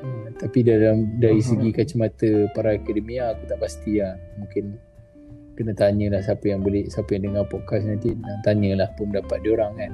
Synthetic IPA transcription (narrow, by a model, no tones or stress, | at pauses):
ət̪apidalamdaɾis̬əɡikat͡ʃəmat̪əpaɾaakadəmiaːkut̪aʔpast̪iamũŋkɪn | kənat̪aɲəlahsapəjaŋbolesapəjaŋdəŋarpɔʔkas̬nant̪iat̪aɲəlahpumədapat̪̚dioɾaŋkan